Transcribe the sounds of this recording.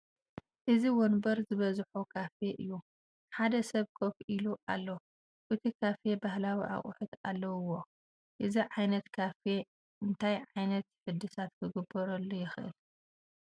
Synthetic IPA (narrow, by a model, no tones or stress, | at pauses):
ʔɨziwɔnbɐɾzɨβɐzħukʰafeʔɨjːu | ħad̪ɐsɐβkʰofʔiluʔa̰lːɐ | ʔɨt̪ʰikʰafebahlawiʔa̰χʼʊ̰ħɨt̪alːɐwɨwo̞ | ʔɨziʕajnɐt̪kʰafe | ʔɨnt̪ʰajʕajnɐt̪ħɨd̪ːɨsat̪kʰɨɡɨbːɐɾɐlːujɪxɨʔɨ̰l